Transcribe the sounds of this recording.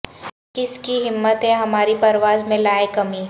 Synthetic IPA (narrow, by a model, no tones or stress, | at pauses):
kɪskiɦɪmːət̪ɦɛɦɐmaːɾipɐɾʋaːzmẽlaːekɐmiː